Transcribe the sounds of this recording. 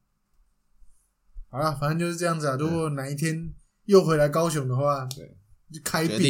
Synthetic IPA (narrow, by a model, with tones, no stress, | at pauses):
xa˨˩la˧˩fa˨˩nə˧˥nt͡ɕjo˥˧ʂ̩˥˧ʈ͡ʂɤ˥˧jɑ˥˩ŋd͡zɨ˩ə˨˩ɻu˧˥kwɔ˥˩na˨˩˦i˥˩t̪ʰjɛ˥n | jo˥˩ʊxwe˧˥ɪla˧˥ɪkɑ˥ʊɕjʊ˧˥ŋd̪ə˨xwa˥˩ | o˥kʰa˥ɪ˥pi˨